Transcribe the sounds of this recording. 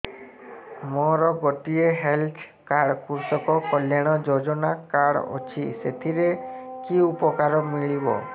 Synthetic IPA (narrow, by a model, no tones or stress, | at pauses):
mɔɾɔɡɔʈieɦelt̪ʰ | kaɽkuɾsɔkɔkɔljaɽ̃ɔd͡ʒod͡ʒɔnakaɽɔ̰t͡ʃʰiset̪ʰiɾekiupɔkaɾɔmiɭibɔ̰